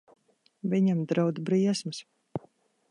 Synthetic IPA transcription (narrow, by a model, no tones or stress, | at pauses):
vʲiɲamd̪ɾawd̪bɾiɛsmɨs